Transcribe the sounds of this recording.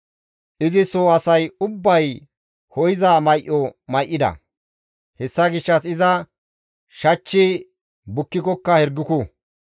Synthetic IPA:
ʔɪzɪsoɐsɐjʊbːɐj | hɔjɪzamɐjʔɔmɐjʔːɪd̪ɐ̰ | hɛsːɐɡɪʃːɐsɪzɐ | ʃɐt͡ʃːɪ | bʊkːɪkɔkːɐhɛɾɡːɪkʊ

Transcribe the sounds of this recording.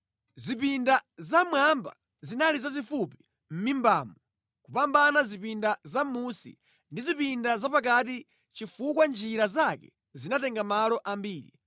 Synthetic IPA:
zip̬indazamwamba̰ | zinalizazifupi̥ | m̩mimbaːmɔ | kupambanazipindazamusḭ | ndizipindazapak̬at̬i | t͡ʃifukwand͡ʒiɾazakɛ̰ | zinatɛŋɡamalɔʔambiːɾḭ

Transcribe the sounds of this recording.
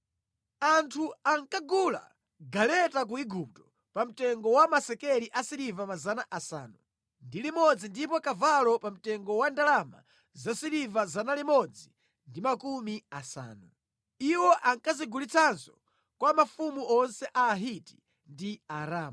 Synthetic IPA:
antʰuaŋkaɡula̰ | ɡalɛtak̬uiɡup̚tɔ̥ | pam̩tɛŋɡɔwamasɛkɛliʔasiɾivamazanaʔasa̰ːnu | ndilimɔd͡zindip̬ɔkavalɔpam̩tɛŋɡɔwandalama̰ | zasiɾivazanalimɔd͡zi | ndimakumiasa̰ːnu | iwɔʔaŋkaziɡulit͡sʰanzɔ | kwamafumuʔɔnsɛʔaːɦiti̥ | ndiaɾaːm

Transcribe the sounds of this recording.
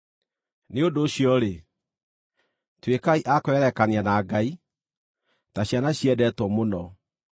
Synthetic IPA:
neondoːɕijɔɾe | twekaiʔakoɛɾɛkanianaːɡai | taɕjanaɕiɛdɛtwɔmonɔ

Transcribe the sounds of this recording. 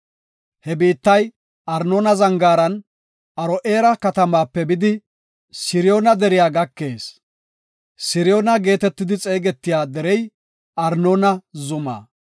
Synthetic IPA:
hɛbiːt̪ːɐj | ɐɾnoːnɐzɐŋɡaːɾɐn | ʔɐɾɔʔe̞ːɾɐkɐt̪ɐmaːpːɛbɪd̪ɪ | sɪɾɪjoːnɐd̪ɛɾɪjaːɡɐkːe̞ːs | sɪɾɪjo̞ːnɐɡe̞ːt̪ɛt̪ːɪd̪ɪt͡sʼe̞ːɡɛt̪ːɪjaːd̪ɛɾɛj | ɐɾnoːnɐzʊma̰ː

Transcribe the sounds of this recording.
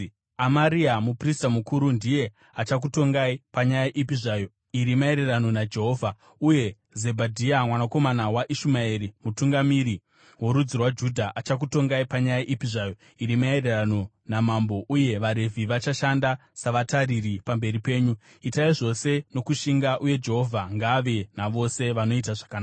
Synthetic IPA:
amaɾiamupristamukuːɾundije̞ | at͡ʃak̬uto̞ŋɡaipaɲajaʔipiʐaːjo̞ | iɾimae̞ɾe̞rano̞nad͡ʒe̞ɦo̞ːvʱa | uje̞ | zebʱadʱiamwanako̞manawaʔiʃumaeɾimutuŋɡamiɾi | wo̞ɾud͡zirwad͡ʒudʱaʔat͡ʃak̬uto̞ŋɡaipaɲajaʔipiʐajo̞ | iɾimae̞ɾerano̞ | namambo̞ʔuje̞ʋaɾe̞vʱiʋat͡ʃaʃanda | saʋataɾiripambe̞ɾipe̞ːɲu | itaiʐo̞se̞no̞kuʃiŋɡaʔuje̞d͡ʒe̞ɦo̞vʱaŋɡaʋenaʋo̞se̞ʋano̞it̬aʐakanaːa

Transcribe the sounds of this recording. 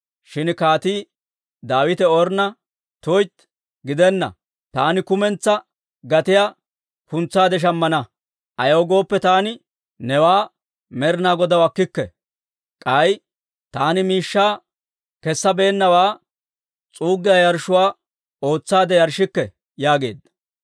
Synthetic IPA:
ʃɪnkaːt̪iː | d̪aːwɪt̪ɛɔɾnɐ | t̪ɔjt̪ | ɡɪd̪ɛnːɐ̰ | t̪aːnɪkʊmɛnt͡sːɐ | ɡɐt̪ɪja | kʊnt͡sːaːd̪ɛʃ̬ɐmːɐnɐ | ʔɐjoːɡo̞ːpːɛt̪aːnɪ | nɛwaː | mɛɾɪnaːɡɔd̪ɐwɐkːɪkːɛ̰ | kʼɐj | t̪aːnɪmiːʃːaː | kɛsːɐbeːnːɐwaː | t͡sʼuːɡːɪjɐjɐɾʃʊwaː | o̞ːt͡sːaːd̪ɛjɐɾʃɪkːɛ | jaːɡe̞̰ːd̪ɐ̥

